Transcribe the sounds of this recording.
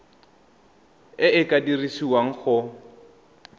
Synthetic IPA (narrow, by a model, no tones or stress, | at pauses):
ɪʔɪkʼadirisiwaŋ̩χʊ